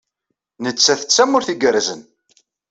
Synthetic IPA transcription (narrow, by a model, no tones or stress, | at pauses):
nət͡sːæθə̥t͡sːæmʊɾθiɡəɾzən